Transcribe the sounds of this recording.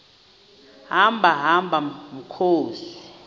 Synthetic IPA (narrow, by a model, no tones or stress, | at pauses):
ɦambʱaɦambʱam̩kʰoːsi̥